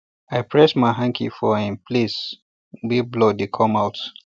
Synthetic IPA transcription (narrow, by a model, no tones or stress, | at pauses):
ajpʰɹɛsmaɪɦãŋkʰifɔhĩmpʰlis | wiblodikʰɔ̃mawt